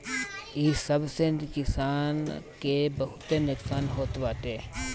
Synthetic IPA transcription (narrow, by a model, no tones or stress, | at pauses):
iːsəbsekɪsaːnkebəɦʊt̪enʊksaːnɦoːt̪baːt̪eː